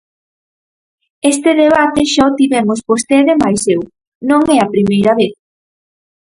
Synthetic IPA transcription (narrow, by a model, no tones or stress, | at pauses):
est̪eðeβ̞at̪eʃaot̪iβɛmospost̪eðemajsew | nõŋɛɐpɾimejɾɐβeθ